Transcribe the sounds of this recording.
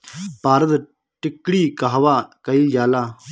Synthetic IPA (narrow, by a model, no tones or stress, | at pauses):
paːɾət̪ | ʈɪkːɽiːkaɦʋaːkəid͡ʒaːlaː